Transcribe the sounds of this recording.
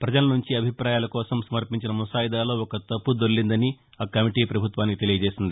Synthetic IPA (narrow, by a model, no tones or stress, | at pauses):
pɾɐd͡ʒɐlɐnuɲt͡ʃiɐbʱipɾaːjaːlɐkɔːsɐmsɐmɐɾpiɲt͡ʃinɐmusaːjid̪aːlo̞ːɔkɐt̪ɐpːud̪oɭːind̪ɐni | aːkɐmiʈiːpɾɐbʱut̪ʋaːnikit̪elijɐd͡ʒeːsind̪i